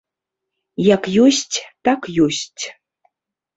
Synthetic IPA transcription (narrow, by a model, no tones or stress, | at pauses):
jakjosʲtʲt̪akjosʲtʲ